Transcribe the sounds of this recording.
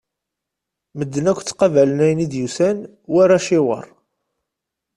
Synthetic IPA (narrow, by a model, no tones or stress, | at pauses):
məd̪ːənækʷːt͡sːqɑvælənæjənid̪jusæn | wæɾæʃɪwɑ̰ɾˤ